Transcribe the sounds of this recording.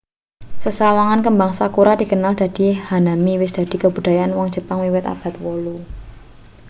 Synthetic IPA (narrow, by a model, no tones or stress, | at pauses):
səsawaŋankəmbaŋsakuɾad̪̥i̤kənald̪̥a̤d̪̥i̤hanamiwɪsd̪̥a̤d̪̥i̤kəbṳd̥̪a̤jaanwɔŋ̥d͡ʒ̥əpaŋwiwɪt̪a̰b̥a̤t̪̚wolu